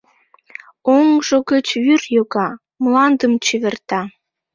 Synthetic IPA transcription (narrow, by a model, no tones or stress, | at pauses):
oŋʒoɣət͡ɕvyrjoɣɑ | mlɑnd̪əmt͡ɕyβert̪ɑ